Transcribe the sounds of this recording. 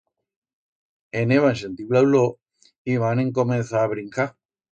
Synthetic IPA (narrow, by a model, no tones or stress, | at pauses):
eneβans̬ent̪iβlawlo | iβanẽŋkomẽnθaːβɾiŋka